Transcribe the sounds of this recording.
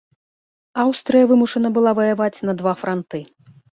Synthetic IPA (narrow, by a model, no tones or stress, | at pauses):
awst̪ɾɨjɐvɨmuʂɐnɐbɨlˠavɐjavat͡sʲnɐd̪vafɾʔant̪ɨ